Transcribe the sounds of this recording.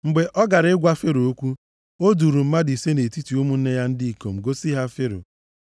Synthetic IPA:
ŋ͡m̩˨ɡ͡be˨ʔɔ˦ɡa˨ɾɪ˦ɡʷa˦fe˦ɾo˨o˦kʷu˦ | o˦du˨ɾu˨m̩˦ma˦di˨se˦ne˨ti˦ti˨u˦mu˦n̩˦ne˦ja˦n̩˦di˦i˨ko˨m̩˨ɡo˦si˦ɦa˦fe˦ɾo̰˨

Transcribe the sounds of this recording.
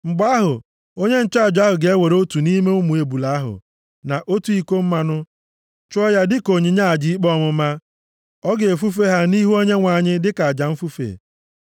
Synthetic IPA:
ŋ͡m̩˨ɡ͡ba˦ɦʊ˨ | o˦ɲe˦n̩˦˨t͡ʃa˦˨d͡ʒa˦ɦʊ˨ɡe˨e˦we˨ɾo˦tu˨ni˦me˦ʊ˦mu˨e˨bu˨la˨a˦ɦʊ̰˨ | na˨ʔo˦tu˦i˦ko˦m̩˦ma˦nʊ˦ | t͡ʃɔ˦ja˦dɪ˦ko˨ɲi˨ɲa˦˨a˨d͡ʒi˦i˦k͡pɔ˦˨mʊ˨ma˦ | ɔ˦ɡe˨e˨fu˦fe˦ɦa˦ni˦ɦu˦o˦ɲe˦ŋʷa˨ɲɪ˦dɪ˦ka˨a˨d͡ʒa˨m̩˦fu˦fḛ˨

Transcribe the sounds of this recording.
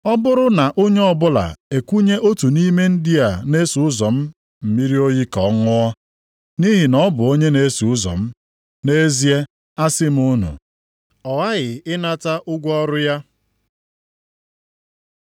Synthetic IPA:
ɔ˦bʊ˦ɾʊ˦na˨ʔo˦ɲe˦ɔ˦bʊ˦la̰˨e˨kʷu˦ɲe˦ʔo˦tu˨ni˦me˦n̩˦dɪ˦a˨ne˦su˨ʊ˦zɔ˨m̩˦ | m̩˨mi˦ɾi˦o˦ji˦kɔ˨˦ŋʊ˦ɔ˦ | ni˦ɦi˨nɔ˦bʊ˨o˦ɲe˦ne˦su˨ʊ˦zɔ̰˨m̩˦ | ne˦zi˦e˦ | a˦sɪ˦m̩˦ʊ˦nṵ˨ | ɔ˨ɣa˦ɣɪ˨ɪ˦na˦ta˦ʔʊ˦ɡʷɔ˦ɾʊ˦ja˦

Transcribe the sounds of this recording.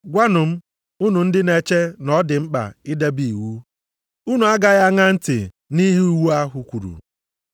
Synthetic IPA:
ɡʷa˦nʊ˨m̩˦ | u˦nu˨n̩˦dɪ˦ne˦t͡ʃe˦nɔ˦dɪ˨ŋ͡m̩˦k͡pa̰˨ɪ˦de˦bi˨wu˦ | u˦nu˨a˦ɡa˦ɣa˦ŋa˦n̩˦tɪ̰˨ | ni˦ɦi˦u˦wu˦a˦ɦʊ˨kʷu˨ɾṵ˨

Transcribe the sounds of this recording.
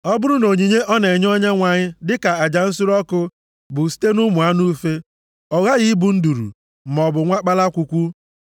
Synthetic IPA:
ɔ˦bʊ˦ɾʊ˦no˨ɲi˨ɲe˦ʔɔ˦ne˨ɲ˦ɔ˦ɲa˦ŋʷa˨ɲɪ˦dɪ˦ka˨a˨d͡ʒa˨n̩˦sʊ˦ɾɔ˦kʊ˦ | bʊ˨si̥˦te˦nʊ˦mʊ˨a˦nu˦fe˦ | ɔ˨ɣa˦ɣi˦bu˨n̩˦du˨ɾṵ˨ | m̩˨mɔ˨bʊ˨ŋʷa˦k͡pa˦la˦kʷu˨kʷu˦

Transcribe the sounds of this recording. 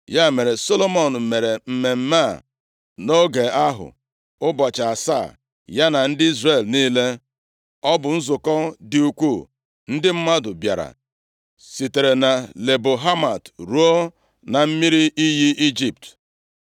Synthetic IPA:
ja˦˨me˨ɾe˨so˦lo˦mo˨n̩˨me˨ɾe˨m̩˨me˨m̩˦ma˦˨ | no˦ɡe˨a˦ɦʊ̰˨ | ʊ˦bɔ˨t͡ʃa˨a˨sa̰ː˦˨ | ja˦na˨n̩˦dɪ˦i˦zre˦˨lniː˦le˦ | ɔ˦bʊ˨n̩˦zʊ˨kɔ˦dɪ˨u˨kʷu˦˨ | n̩˦dɪ˦m̩˦ma˦dʊ˨bja̰˨ɾa̰˨ | si˨te˨ɾe˨na˨le˨bo˨ɦa˦ma˨tɾu˦o˦ | na˨m̩˦mi˦ɾi˦ʔi˦ji˦i˦d͡ʒi˨p̚t

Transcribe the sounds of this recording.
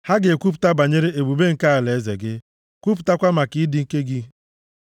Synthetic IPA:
ha˦ɡɪ˨e˨kʷu˦p̬u̥˨ta˦ba˨ɲe˦ɾe˦e˨bu˨be˦ŋ̩˨ka˦a˨le˨e˦zḛ˨ɡɪ˦ | kʷu˦p̬u̥˨ta˦kʷa˦ma˨kɪ˨˦dɪ˨ŋ̩˦ke˦ɡɪ˦

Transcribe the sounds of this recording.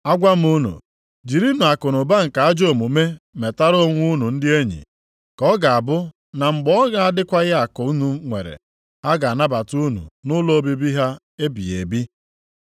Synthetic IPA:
a˦ɡʷa˦m̩˦u˦nṵ˨ | d͡ʒi˨ɾi˦nu˨a˨kʊ˨nʊ˨ba˦ŋ̩˨ka˨a˦d͡ʒo˦˨mu˨me˦me˨ta˦ɾo˦o˦ŋʷʊ˦nu˨n̩˦dɪ˦e˦ɲḭ˨ | kɔ˦ɡa˨a˨bʊ˦ | na˨ŋ͡m̩˨ɡ͡bɔ˦ɣa˨a˦dɪ˦kʷa˦ɣɪ˦a˨kʊ˨˦nu˨ŋʷḛ˨ɾḛ˨ | ha˦ɡa˨a˨na˦ba˨tu˦nṵ˨nʊ˦lo˦bi˦bi˦ɦa˦ | e˦bi˨ḛ˨bi˦

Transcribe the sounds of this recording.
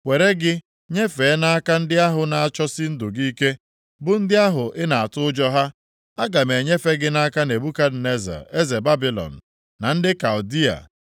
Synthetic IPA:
wʷe˨ɾe˦ɡɪ˦ | ɲe˦fe˨˦na˦a˦ka˦n̩˦dɪ˦a˦ɦʊ˨na˨a˨t͡ʃɔ˦sɪ˦n̩˦dʊ˨ɡi˦ke˦ | bʊ˦n̩˦dɪ˦a˦ɦʊ˨ʔɪ˦na˨a˨tʊ˦ʊ˦d͡ʒɔ˦ɦa˦ | a˦ɡa˨me˨ɲe˦fe˦ɡɪ˦na˦ka˦ne˨bu˦ka˦dne˦za̰˨e˦ze˨ba˦bi˦˨lɔ̰˨n̩˨ | na˨n̩˦dɪ˦ka˨ʊ˨di˦a̰˨

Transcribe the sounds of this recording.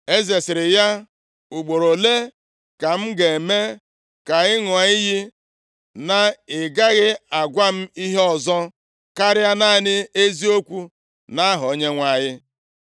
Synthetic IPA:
e˦ze˨sɪ˨ɾɪ˨ja˦ | u˨ɡ͡bo˨ɾo˨le˦ | ka˨m̩˦ɡe˨me˦ | ka˨ɣɪ˦ŋʊ˨a˨ɪ˦jɪ˦ | na˦ɪ˨ɡa˦ɣɪ˦a˨ɡʷa˦m̩˦i˦ɦe˦ɔ˨zɔ˦ | ka˦ɾɪ˦a˦na˦nɪ˦e˦zi˦o˦kʷu˦ | na˦ɦʊ˨o˦ɲe˦ŋʷa˨jɪ˦

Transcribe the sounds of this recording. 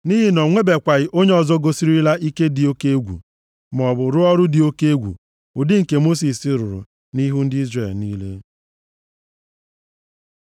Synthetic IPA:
ni˦ɦɪ˦nɔ˨ŋʷe˦be˨kʷa˨ɣɪ˦ʔo˦ɲe˦ɔ˨zɔ˦ɡo˦si˦ɾi˦la˦ʔi˦ke˦dɪ˨o˦ke˦e˦ɡʷṵ˨ | m˨ɔ˨bʊ˨ɾʊ˦ɔ˦ɾʊ˦dɪ˨o˦ke˦e˦ɡʷṵ˨ | ʊ˨dɪ˦ŋ̩˨ke˨mo˦s̬i˨sɪ˦ɾʊ˨ɾʊ̰˨ | ni˦ɦu˦n̩˦dɪ˦i˦zre˨lni˦lḛ˦

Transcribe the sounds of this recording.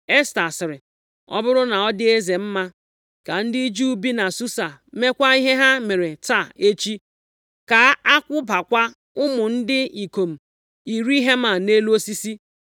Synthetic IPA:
e˦sta˨sɪ˨ɾɪ˨ | ɔ̰˦bʊ˦ɾʊ˦na˨ɔ˦dɪ˦e˦ze˨m̩˦ma˦ | ka˨n̩˦dɪ˦d͡ʒu˦bi˦na˨su˦sa˨me˦kʷa˦i˦ɦe˦ɦa˦me˨ɾe˨ta˦˨e˦t͡ʃi˦ | ka˨a˦kʷʊ˦ba˨kʷa˦ | ʊ˦mʊ˨n̩˦dɪ˦i˨ko˨m̩˨ | i˨ɾi˦ɦe˦ma˨ne˦lu˦o˦si˦si˦

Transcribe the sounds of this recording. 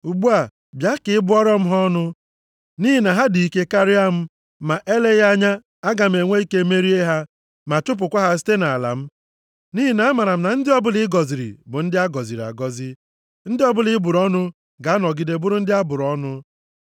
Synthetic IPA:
u˨ɡ͡bu˦a˨ | bja˦kɪ˨˦ɪ˦bʊ˦ɔ˦ɾɔ˦m̩˦ɦɔ˦nʊ˦ | ni˦ɦi˨na˨ɦa˦di˨i˦ke˦ka˦ɾɪ˦a˦m̩˦ | ma˨ʔe˦le˦ja˦ɲa˦ | a˦ɡa˨m̩˨e˨ŋʷe˦i˦ke˦me˦ɾi˦e˦ɦa˦ | ma˨tʊ˦p̬ʊ˨kʷa˦ɦa˦s̬i̥˦te˦na˨la̰˨m̩˦ | ni˦ɦi˨na˨a˦ma˨ɾa˨m̩˦na˨n̩˦dɪ˦ɔ˦bʊ˦lɪ˦ɡɔ˨zi˨ɾḭ˨bʊ˨n̩˦dɪ˦a˦ɡɔ˨zi˨ɾi˨a̰˨ɡɔ˦zɪ˦ | n̩˦dɪ˦ɔ˦bʊ˦lɪ˦bʊ˨ɾɔ˦nʊ˦ | ɡa˨a˦nɔ˨ɡi˦de˨bʊ˦ɾʊ˦n̩˦dɪ˦a˦bʊ˨ɾɔ˦nʊ˦

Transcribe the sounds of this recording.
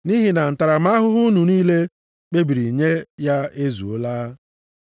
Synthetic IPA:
ni˦ɦi˨na˨n̩˨ta˨ɾa˨ma˦ɦʊ˦ɦʊ˦nu˨niː˦le˦ | k͡pe˦bi˨ɾi˨ɲe˦ja˦e˦zṵ˨o˦laː˦

